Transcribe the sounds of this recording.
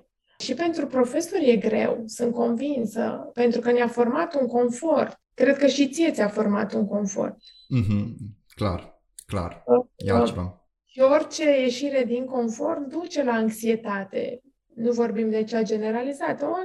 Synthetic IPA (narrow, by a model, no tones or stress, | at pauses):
ʃipe̞nt̪ɾupɾo̞fe̞so̞rje̞ɡɾe̞̰wsɨnt̪̚ko̞nvinsə̰pe̞nt̪ɾukəneafo̞rmat̪uŋko̞nfo̞rt̪kɾe̞d̪̚kəʃit̪siet̪sʲafo̞rma̰t̪uŋko̞nfo̞̰rt̪̚ | m̩ɦ̩ | kla̰r | kla̰rjat͡ʃeva̰ | ʃio̞rʲt͡ʃe̞je̞ʃiɾe̞d̪iŋko̞nfo̞rt̪d̪ut͡ʃe̞laɨŋksie̞t̪at̪e̞̰ | nuvo̞rbimd̪e̞t͡ʃad͡ʒe̞ne̞ɾalizat̪əo